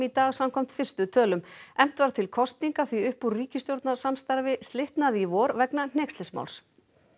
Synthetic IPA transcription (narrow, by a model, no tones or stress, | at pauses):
it̪aːɣsamkʰɔm̥t̪fɪr̥st̪ʏt̪ʰœːlʏmɛm̥t̪vaɾ̥t̪ʰɪlkʰɔst̪niŋkaθviʏhpuɾriːcɪst̪jowɾt̪nasamst̪aɾvɪst̪lɪht̪naðivɔːɾvɛknan̥ɛkst̪lɛsma̰wls